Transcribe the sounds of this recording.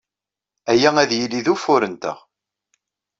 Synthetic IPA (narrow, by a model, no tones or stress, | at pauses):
æjææðjilːiðufʊɾənt̪ə̰ʁ